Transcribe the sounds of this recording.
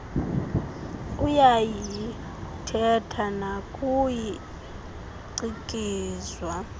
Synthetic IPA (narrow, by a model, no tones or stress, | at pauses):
ujaji | tʰɛtʰanakʼuji | ǀikʼiːzwa